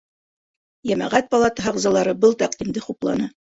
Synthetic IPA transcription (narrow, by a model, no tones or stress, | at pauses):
jæmæ̰ʁæt̪̚pɑlˠɑt̪ɤɦɑʁzɑ̆lˠɑɾɤbɤlˠt̪æqd̪imd̪ɘχuplˠɑ̰nɑ